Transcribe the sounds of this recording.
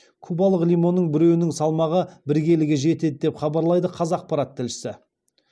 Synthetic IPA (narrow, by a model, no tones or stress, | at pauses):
kʲʰubɑlˠəqlʲijmo̞nːəɴbɪɾe̞wɪnɪŋsɑlˠmɑʁəbɪɾɡʲe̞lɪɡʲeʒe̞t̪e̞d̪ɪd̪e̞pχɑbɑɾlˠɑjd̪əqʰɑzɑq̚pɑɾɑt̪ʰːɪlʃɪ̥sɪ